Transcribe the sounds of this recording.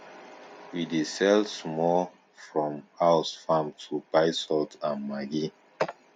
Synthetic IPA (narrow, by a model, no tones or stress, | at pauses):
widisɛlsmɔl | fɹɔ̃mhaʊsfãmtʰubaɪsɔltãnmaɡi